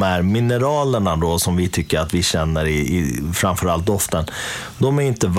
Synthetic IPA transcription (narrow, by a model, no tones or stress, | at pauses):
mæɾmɪnəɾɑːləɳad̪ɔsɔmvɪt̪ʰʏkːəɾat̪vɪɕɛnːəɾɪfɾamfœɾalt̪̚d̪ɔft̪ən | d̪ɔmæɾɪnt̪əv